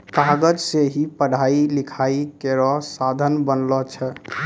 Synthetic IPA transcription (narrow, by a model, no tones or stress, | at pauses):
kaɡəd͡ʒseɦipəɽ̤ailikʰaikeɾɔɦsad̪ʱənbənlɔt͡ʃʰɛ